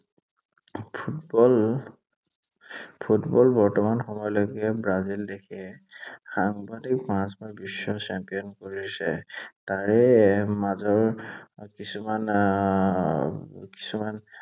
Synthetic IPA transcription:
pʰutbɔl | pʰutbɔlbɔɹtɔmanxɔmɔjloɡɛbɹazildekʰɛ | xaŋbadik̚pãsbabisːɔsɛmpijɔnkoɹisɛ̰taɹɛmazɔɹkisuman | ki̥suman

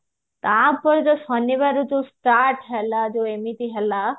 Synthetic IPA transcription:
t̪ãpɔɾd͡ʒ̪ɔsɔnibaɾut̪usʈaɾʈɦɛlad͡ʒoemit̪iɦɛla

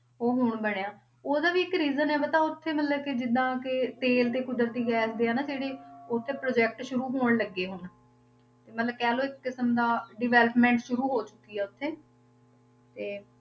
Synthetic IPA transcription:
oːɦʊɳbəɽeːãː | oːd̪aːʋiːɪkɾiːzənɛːʋeːt̪ãːʊt̪ʰːeːmət̪ləb̚kɪd͡ʒɪd̪ːãːkɪt̪eːlt̪eːkʊd̪əɾt̪iːɡɛːsd̪eːãːnaːd͡ʒeːɽeːʊt̪ʰːeːpɾoːd͡ʒɛːk̚ʈʃʊɾuːɦoːɳləɡːeːɦʊn | t̪eːmət̪ləb̚kɛːloːɪkːəsəmd̪aːɖɪʋɛːləpmɛ̃ːɳʈʃʊɾuːɦoːt͡ʃʊkːiːɛːʊt̪ʰːeː | t̪eː

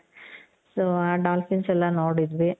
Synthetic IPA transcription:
soaːɖaːlfinsɛlːɐnoːɽid̪ʋi

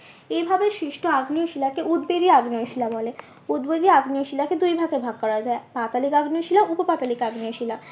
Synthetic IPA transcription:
ejbʱabeʃɾiʃʈʰoaɡnioʃilakeʔud̪bed̪iaɡnioʃilabɔle | ud̪bed̪iaɡnioʃilaked̪ujbʱaɡebʱaɡ̚kːɔɾad͡ʑaepat̪alikaɡnioʃilaʔupopat̪alikaɡnioʃila

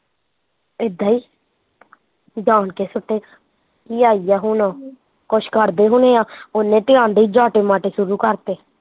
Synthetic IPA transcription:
ɪd̪aːiː | d͡ʒaːɳkeːsʊʈːeːa | kiːaːiːjaːɦuːnãː | kʊʃkəɾd̪eːɦʊneːaːʊnːẽːʈɪjãːnd̪eiːd͡ʒaːʈeːmaːʈeːsʊɾuːkəɾt̪eː

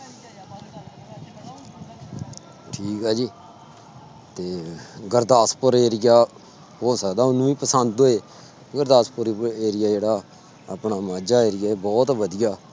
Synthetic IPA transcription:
ʈʰiːkaːd͡ʒiː | t̪eːɡəɾd̪aːspəɾeːɾɪjaː | ɦoːsəːd̪aːʊnũːiːpəsənd̪ɦoːeː | ɡəɾd̪aːspʊɾeːɾɪjaːd͡ʒeːɽaː | apɳaːmaːd͡ʒaːeːɾɪjaːebɔːt̪ʋəd̪ɪjaː

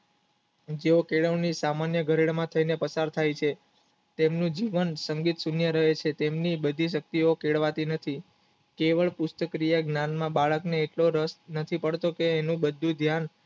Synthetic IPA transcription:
d͡ʒeokeɭəʋnisamanjəɡʱəɾeɽmãt̪ʰəinepəsaɾt̪ʰajt͡ʃʰe | t̪emnũd͡ʒiʋənsəŋɡit̪sunjəɾəɦet͡ʃʰet̪emnibəd̪ʱiʃ̬ək̚t̪iokeɭʋat̪inət̪ʰi | keʋəɭpʊst̪əkɾijaɡnanmãbaɭəkneːʈloɾəsnət̪ʰipəɽt̪okeːnũbəd̪ʱːũd̪ʱjan

